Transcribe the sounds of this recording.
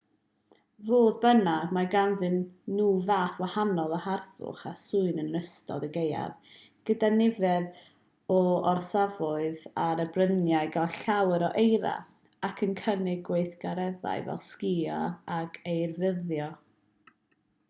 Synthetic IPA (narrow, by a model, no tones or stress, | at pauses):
voːðbənamaɡanðɨnːuːvaːθwahanɔlˠɔharθʊ̰χasʊɨnənəstɔ̰dəɡeja̰ð | ɡ̥ədanɪvɛð | ɔɔrsavɔɨðaɾəbrənjaɨɡaɬawəɾɔʔejɾa̰ | akʰənkʰənɪɡwejθɡ̥aɾɛða̰ɨvɛ̰lˠskiɔ̰akʰejrvəðjɔ